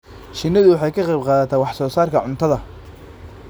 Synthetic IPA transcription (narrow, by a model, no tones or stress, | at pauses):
ʃɪnːɐðʊwɑħɑjkʰɐqɛjbqɑːðɐt̪ʰaːwɑħsɔːsaːrkʰɐʕʊnt̪ʰɐðɐ